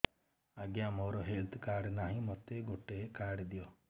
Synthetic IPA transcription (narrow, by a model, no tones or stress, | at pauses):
aɡjamɔɾɔɦelt̪ʰkaɖnaɦĩmɔt̪eɡoʈekaɾɖd̪ijɔ